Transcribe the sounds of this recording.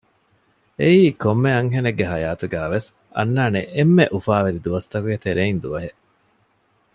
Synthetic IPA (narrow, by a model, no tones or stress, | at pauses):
eiːkomːeɐŋɦeneɡːeɦɐjaːt̪uɡæːʋes | ɐ̰nːaːneʔemːeʔufaːʋeɾid̪uʋɐst̪ɐkuɡet̪eɾeind̪uʋɐɦeʔ